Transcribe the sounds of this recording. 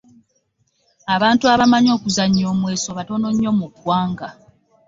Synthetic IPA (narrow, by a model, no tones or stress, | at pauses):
aβaːntuaβamaɲo̞ːkuzaɲːo̞ːmwe̞ːso̞βato̞no̞ɲːo̞muɡwaːŋɡa